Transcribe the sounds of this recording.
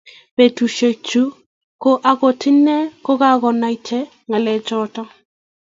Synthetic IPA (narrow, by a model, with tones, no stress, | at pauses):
pe˨tu˨ʃe˨t͡ʃu˦ | ko˦ʔa˨ɡɔ˨tɪ˦nɛ˦ko˦ka˦ɣɔ˨na˨i˨˦t͡ʃɛ˦ | ŋa˨lɛ˨t͡ʃɔ˦tɔ˦